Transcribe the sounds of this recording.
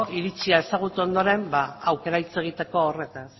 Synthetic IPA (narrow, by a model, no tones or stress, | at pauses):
iɾit͡siaesaɣ̞ut̪uo̞nd̪o̞ɾe̞mbaawke̞ɾait͡se̞ɣ̞it̪e̞ko̞ːre̞t̪an